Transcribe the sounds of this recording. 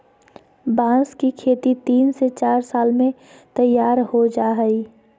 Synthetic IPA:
bãːskikʰeːt̪it̪iːnset͡ʃaːɾsaːlmẽ | t̪əjːaːɾhod͡ʒaːɦəi

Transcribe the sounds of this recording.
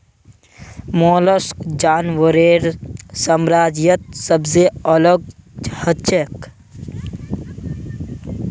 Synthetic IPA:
moːləskd͡ʒaːnʋəɾeːɾsəmɾaːd͡ʒjət̪̚səbzeələɡhət͡ʃek

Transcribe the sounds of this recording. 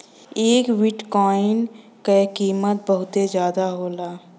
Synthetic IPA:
eːkwɪʈkɔːɪn | kekiːmət̪̚bəɦʊt̪ed͡ʒjaːd̪aɦoːlaː

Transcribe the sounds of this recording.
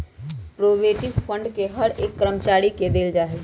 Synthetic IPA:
pɾoːʋeːʈiʋpʰə̃ɳɖkeɦəɾeːkːɾəmt͡ʃaːɽiked̪eːld͡ʒaːɦe

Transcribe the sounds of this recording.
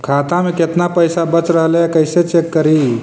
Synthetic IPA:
kʰaːt̪ameket̪napəjsabət͡sɾəɦlekəjset͡ʃekːəɾiː

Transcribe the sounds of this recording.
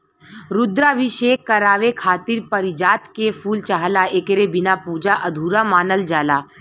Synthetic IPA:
ɾʊd̪ɾaʋiʃeːkːəɾaːʋekʰaːt̪ɪɾpəɾɪd͡ʒaːt̪kepʰuːlt͡ʃaɦlaeːkɾebɪnapuːd͡ʒaʔɐd̪ʱuːɾamaːnəld͡ʒaːlaː

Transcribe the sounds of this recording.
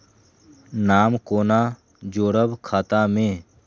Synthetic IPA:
naːmkoːnaː | d͡ʒoːɾəbkʰaːt̪amẽː

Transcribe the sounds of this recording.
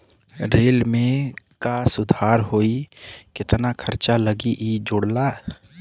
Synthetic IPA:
ɾeːlmẽ | kasʊd̪ʱaːɾɦoːikɪt̪nakʰəɾt͡ʃaləɡiʔid͡ʒoɽlaː

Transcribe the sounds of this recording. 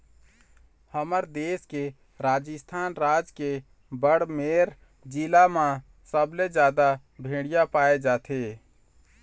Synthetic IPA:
həməɾd̪eːske | ɾaːd͡ʒəst̪ʰaːnɾaːd͡ʒke | bəɽmeɾ | d͡ʒilamã | səbled͡ʒjaːd̪a | bʱẽɽijapaːed͡ʒaːt̪ʰe

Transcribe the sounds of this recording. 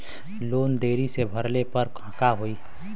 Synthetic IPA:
loːnd̪eːɾisebʱəɾlepəɾkʰə̃kaɦoːi

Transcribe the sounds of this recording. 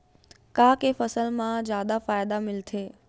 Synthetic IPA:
kãːkeːfɐsəlmãzjaːd̪afaːɪd̪amɪlt̪ʰeː

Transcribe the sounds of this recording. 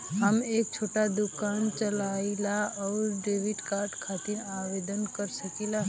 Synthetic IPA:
ɦəmeːk̚t͡ʃʰoʈad̪ukant͡ʃəlailaɔːɾɖeʋiʈkaɾɖkʰat̪iɾaʋed̪ənkəɾsəkila

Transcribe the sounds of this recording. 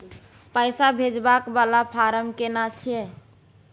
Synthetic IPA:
pəjsabʱed͡ʒbakbalapʰaɾəmkenat͡ʃʰije

